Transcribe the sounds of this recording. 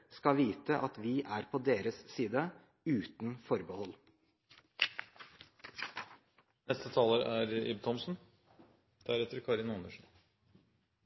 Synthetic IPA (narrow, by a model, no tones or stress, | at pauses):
skɑʋiːt̪əʔɑt̪ʋɪːʔæɾpʰod̪eːɾəsːiːd̪ə | ʉːt̪nfɔɾbəhɔl | nɛst̪ət̪ʰɑːləɾæɾɪ̰bt̪ʰɔmsn̩ | d̪̥æɾɛt̪əɾkʰɑːɾɪnɔnəʂn̩